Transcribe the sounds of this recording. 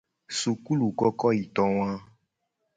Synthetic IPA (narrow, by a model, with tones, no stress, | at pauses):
su˨ku˦lu˨kɔ˦kɔ˦i˨t̪ɔ˨w̃ã˦